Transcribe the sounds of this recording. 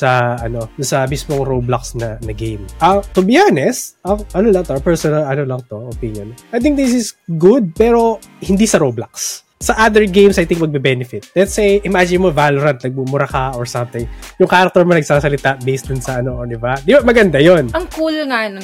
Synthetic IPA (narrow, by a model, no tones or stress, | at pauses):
sɐɐno̞ʊnsɐɐmismoŋɾowblaksnɐnɐɡejmʔɐt̪ʊbɪjanɛsɐʔɐnolɐŋt̪oʔɐpɛɹsɔnɐlɐnolɐŋt̪o̞opinjonʔajt̪ɪŋk̚d̪ɪs̬ɪsɡʊd̪̚pɛːɾo̞ | hɪnd̪isɐɾowblaks | sɐʔad̪ɛɹɡẽjmsɐjt̪ɪ̃ŋk̚mɐɡ̚bɛbɛnɪfɪt̪̚lɛt̪sejʔɪmad͡ʒɪnmovalʊɾɐnt̪̚nɐɡ̚mumʊɾɐkɐʔɔɹsɐ̃mt̪ɪŋjʊŋkaːɾɐk̚t̪oɹmonɐɡ̚sasɐlɪt̪aʔbejsd̪ʊnsɐʔɐnod̪ɪbad̪ibamɐɡɐnd̪ajonɐŋkuːloŋanɐ